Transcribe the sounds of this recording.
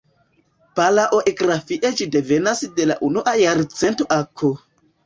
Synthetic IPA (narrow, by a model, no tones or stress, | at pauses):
palaʔoʔeɡɾafiʔed͡ʒide̞ve̞nasde̞la̰ʔunuʔajaɾt͡sentoʔakʰo